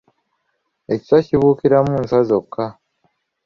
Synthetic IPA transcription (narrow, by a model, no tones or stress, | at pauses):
e̞ci̥saciβuːkiɾamuːnsazo̞kʰːa